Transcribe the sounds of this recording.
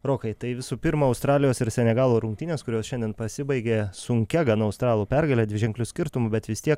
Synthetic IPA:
ɾoːkɐɪt̪ɐɪʋʲɪsuːpʲɪɾmɐɐʊst̪ɾɑːlʲɪjoːsɪɾsʲɛnʲɛɡɑːlˠoːɾʊŋk̚t̪ʲɪnʲeːskʊɾʲoːsʃʲɛnʲd̪ʲiːnpɐsʲɪbɐɪɡʲeːssʊŋʲkʲɛɡɐnɐɐʊst̪ɾɑːlˠuːpʲɛɾɡɐlʲeːd̪ʋʲɪʒʲɛŋklʲʊsʲkʲɪɾt̪ʊmʊbʲɛt̪ʋʲɪst̪ʲiɛk

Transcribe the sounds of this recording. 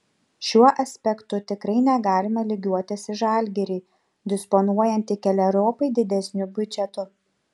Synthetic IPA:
ʃʲuɔʔɐsʲpʲɛkt̪ʊt̪ʲɪkɾɐɪnʲɛɡɑːlʲɪmɐlʲɪɡʲuɔt̪ʲɪsɪʒɑˑlʲɡʲɛɾʲiː | d̪ʲɪspɔnuɔjɛnʲt̪ʲɪkʲɛlʲɛɾoːpɐɪd̪ʲɪd̪ʲɛsʲnʲʊbʲʊt͡ʃʲɛt̪ʊ

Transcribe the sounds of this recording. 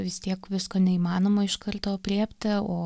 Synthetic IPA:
ʋʲɪst̪ʲiɛkʋʲɪskoːnʲɛiːmɑːnoːmoːɪʃkɐrt̪oːpʲɾʲeːpʲt̪ʲɪoː

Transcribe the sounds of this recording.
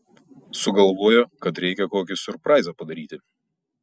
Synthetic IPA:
sʊɡɐlˠʋoːjokɐt̪ɾʲɛɪkʲɛkoːkʲɪsʊɾpɾɑɪzʲɐpɐd̪ɐɾʲiːt̪ʲɪ

